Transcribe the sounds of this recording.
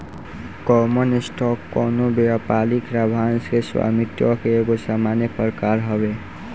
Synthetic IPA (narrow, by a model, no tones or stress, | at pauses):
kɔmənisʈʰɔkːɔnobeapalikɾabʱanskeswa̰mit̪jɔkeːɡosamanjepəɾkaɾɦɔbe